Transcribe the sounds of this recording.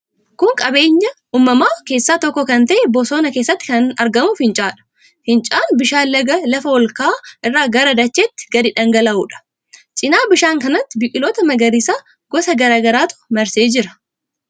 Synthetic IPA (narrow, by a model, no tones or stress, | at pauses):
kʊŋkʼɐbe̞ːɲːɐ | uːmːɐmaːke̞ːsːaːt̪ɔkːɔkɐnt̪ɐʔɛbɔsoːnɐke̞ːsːɐt̪ːɪ̥kɐnɐɾɡɐmʊfɪnt͡ʃʼaːᶑɐ̥ | hɪnt͡ʃʼaːnbɪʃaːlɐɡɐlɐfɐwɔlkaːʔɪrːaːɡɐɾɐd̪ɐt͡ʃːet̪ːɪ̥ɡɐɾiᶑɐŋɡɐlɐʔuːᶑɐ̥ | t͡ʃʼɪnaːbɪʃaːŋkɐnɐt̪ːɪbɪkʼɪlo̞ːt̪ɐmɐɡɐɾisaː | ɡɔsɐɡɐɾaːɡɐɾaːt̪ʊ̥mɐɾse̞ːd͡ʒɪɾɐ̥